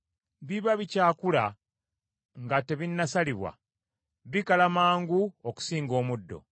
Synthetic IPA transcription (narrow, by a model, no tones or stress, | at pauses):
βiβaβicaːkula | ŋɡate̞βinːasaliβwa̰ | βikalamaːŋɡuoku̥siːŋɡo̞ːmudːo̞̰